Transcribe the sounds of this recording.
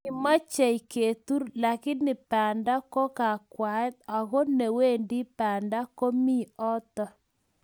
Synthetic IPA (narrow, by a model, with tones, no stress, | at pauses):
ɪ˨ma˦t͡ʃɛ˨i˨ke˨t̪u˦ɾla˨kɪ˦nɪ˨pa˨nda˦kɔ˦ka˨kwa˨˦ta˨ɣo˦ne˨we˦˨ndi˦pa˨nda˦ko˦mi˦ɔ˦t̪ɔ˦